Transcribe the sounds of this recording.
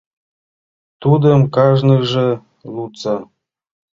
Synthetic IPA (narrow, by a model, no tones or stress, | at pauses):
t̪ud̪əmkɑʒnɤ̆ʒĕ | lut͡sɑ